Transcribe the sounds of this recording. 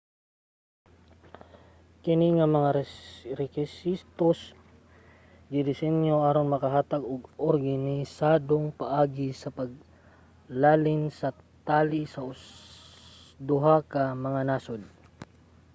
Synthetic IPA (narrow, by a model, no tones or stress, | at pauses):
kɪniŋɐmɐŋaɾɛkɪsist̪os | ɡ̪ɪd̪ɪsɛnjoʔaːɾonmɐkɐɦaːt̪aɡʊɡoɾɡanɪsaːd̪oŋpɐʔaːɡɪsɐpɐɡ̚ | laːlɪnsɐ | t̪aːlɪsɐʊ | d̪ʊɦakɐmɐŋanaːsod̪̚